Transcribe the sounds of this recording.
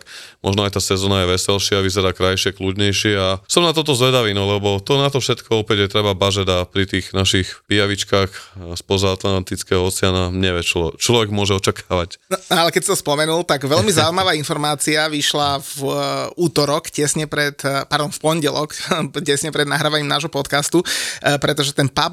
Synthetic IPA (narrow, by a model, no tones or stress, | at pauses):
kmʔɔ̰ʒnɔajt̪aːsɛzɔːnajɛʋɛsɛlʃɪaʋizɛɾaːkɾajʃɪɛkluɟɲɛjʃɪɛasɔmnat̪ɔt̪̬ɔzʋɛd̪aʋiːnɔlɛbɔt̪ɔnat̪ɔfʃɛt̪kʰɔɔpɛɟjɛt̪ɾɛbabaʒɛd̪apɾit̪iːxnaʃixpijaʋit͡ʃkaːxspɔzaat̪lant̪it͡skɛɦɔɔt͡sɛanaɲɛʋɪɛt͡ʃɔt͡ʃlɔʋɛɡmʊɔʒɛɔt͡ʃakʰaːʋacnɔalɛkɛcsi̥t̪ɔspɔmɛnult̪aɡʋɛlmizauimaʋaːinfɔɾmaːt͡siaʋiʃlavuːt̪ɔɾɔkcɛsɲɛpɾɛt̪paɾd̪ɔmfpɔɲɟɛlɔkcɛsɲɛpɾɛd̪naɦɾaːʋaɲiːmnaːʒɦɔpɔt̪kast̪upɾɛt̪ɔʒɛt̪ɛnpa